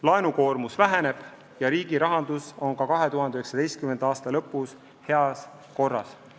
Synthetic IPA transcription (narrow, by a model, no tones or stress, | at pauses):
lɑenuko̞ːrmusvæɦene̞b̥ | jɑɾiːɡiɾɑɦɑnd̪uso̞nkɑkɑɦe̞t̪uɦɑnd̪eyheksɑd̪e̞jst̪̚kyme̞nd̪ɑːst̪ɑlɤ̞pːˑus | he̞ɑs | ko̞rːɑ̰s